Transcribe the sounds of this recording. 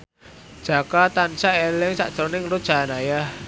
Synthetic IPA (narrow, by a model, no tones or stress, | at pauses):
d̥ʒ̥a̤kat̪ansaelɪŋsa̰ʔd̥t͡ʃɾonɪŋlu̥ʒ̥a̤naja